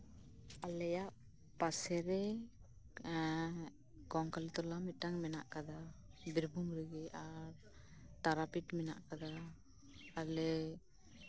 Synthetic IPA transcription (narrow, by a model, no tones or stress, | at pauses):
alɛjaʔ | pasɛɾɛ | kɔŋkalit̪ɔlamit̪̚ˀʈaŋmɛnaʔkad̪abiɾbumɾəɡɛaɾ | t̪aɾapiʈmɛna̰ʔkad̪aː | lɛ